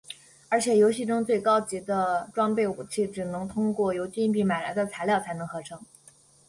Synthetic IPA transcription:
ə˞˧˥t͡ɕʰjɛ˨˩jo˧˥ʊɕi˥˩ʈ͡ʂʊ˥ŋt͡swe˥˩ɪkɑ˥ʊt͡ɕi˧˥d̪ə˧ʈ͡ʂwɑ˥ŋpe˥˩ɪu˨˩t͡ɕʰi˥˩ʈ͡ʂɻ̩˨˩nɤ˧˥ŋt̪ʰʊ˥ŋkwɔ˥˩jo˧˥ʊt͡ɕi˥i˥˧npi˥˩ma˨˩ɪla̰˧˥ɪd̪ə˧t͡sʰa˧˥ɪljɑ˥˩ʊt͡sʰa˧˥ɪnɤ˧˥ŋxɤ˧˥ʈ͡ʂʰɤ˧˥ŋ

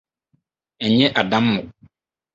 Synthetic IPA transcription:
ɛ˨ɲɛ̃˦ʔa˨dã˦mːʊ̃˨

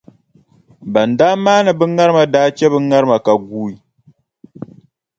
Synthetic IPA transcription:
ba˨ndaː˦maː˦nɨ˨bɨ˦ŋa˦ɾɨ˦ma˨daː˦t͡ʃɛ˦bɨ˦ŋa˦ɾɨ˦ma˨ka˨ɡuː˦i˨

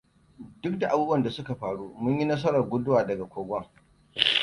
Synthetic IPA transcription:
dʊ˦k̚da˨ʔa˨buː˦bwɐ˦˨nda˨sʊ˦ka˨ɸaː˨ɽuː˦mʊ˦ɲji˦nɐ˦s̬ɐ˦ɾɐ˨rɡʷʊ˦dʊ˦waː˨dɐ˨ɡa˨kʷoː˨ɡʷɐ˦ŋ

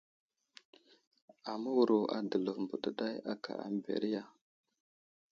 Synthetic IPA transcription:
a˨mə˦wu˨ɾo˨ʔa̰˨də˨lə˨vm˨bu˨də˨ɗa˦ja˦kʰa̰˨a̰˨m˦bḛ˨ɾi˦ja˨

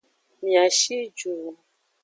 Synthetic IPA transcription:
mĩ˨a˨ʃi˦d͡ʒu˨

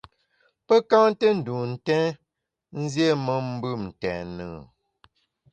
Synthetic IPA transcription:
pə˦kã˦ŋtə˦n̩˨du˨n̩˦˨tɛ̃˦ | n̩˦zje˦mə˦m̩˦bɨ˦˨mn̩˨tɛ̰̃˨nə̰ː˨

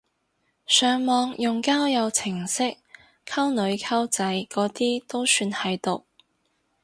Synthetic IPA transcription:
sœː˨ŋmɔː˨ŋjʊ˨ŋkaː˥wjɐ˨˧wt͡sʰɪ˨˩ŋsɪ˥k̚ | kʰɐ˥wnɵ˨˧ɥkʰɐ˥wt͡sɐ˨˧˥jkɔː˨˥t̪iː˥t̪o˥wsyː˧nhɐ˨jt̪ʊ˨k̚

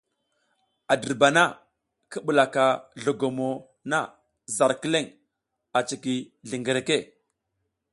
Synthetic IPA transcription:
a˨də˨ɾba˨na˦ | kə˦ɓu˨la˨ka˨ɮo˨ɡo˨mo˨ | na˦ | za˨ɾki˦le˦ŋ | a˨t͡ʃi˨ki˨ɮi˨ŋɡə˨ɾe˨ke˦˨

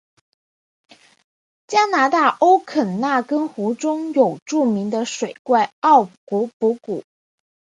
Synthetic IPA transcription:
t͡ɕja˥na˧˥t̪a˥˩ʔo˥ʊkʰə˨˩nna˥˩kə˥nxu˧˥ʈ͡ʂʊ˥ŋjo˨˩ʊʈ͡ʂu˥˩mi˧˥ŋd̪ə˧ʂwe˨˩ɪkwa˥˧ɪɑ˥˩ʊku˧˥pu˧˥ku˨˩˦

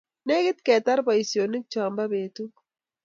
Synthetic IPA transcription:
ne˦ɡɪ˦t̪ke˨t̪ɐ˦ɾpɐ˨jsjonɪ˦k̚t͡ʃaːmbɐbeːt̪u

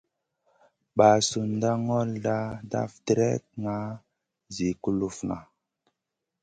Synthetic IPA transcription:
ɓa˨su˨nda˦ŋɔ˦lda˦da̰˦fdɾɛ˦t̚ŋa˦ | zi˨ku˦lu˦fna˨

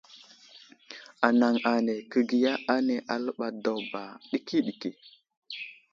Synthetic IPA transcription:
a˨na˨ŋa˨ne˨kə˦ɡi˨ja˦ʔa˦ne˨ʔa˨lə˦ɓa˨do˨wba˨ɗi˦ki˦ɗi˨ki˨

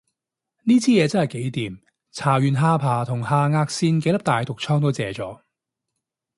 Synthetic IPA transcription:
niː˥t͡sʰiː˥jɛː˨˧t͡sɐ˥nhɐ˨˩jke˨˥jt̪iː˨m | t͡sʰaː˨˩ɥyː˨nɦaː˧pʰaː˨˩t̪ʰʊ˨˩ŋhaː˧ŋaː˧k̚siː˧nk̬e˧˥jlɐ˥p̚t̪aː˨jt̪ʊ˨k̚t͡sʰɔː˥ŋt̪̬o˥wt͡sɛː˨˩t͡sɔː˨˥

